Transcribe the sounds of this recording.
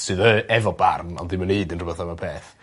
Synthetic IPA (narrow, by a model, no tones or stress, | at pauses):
sɨðəɛvɔba̰rnɔ̰ndɪməneɨdənrʊbɛθamapʰeːθ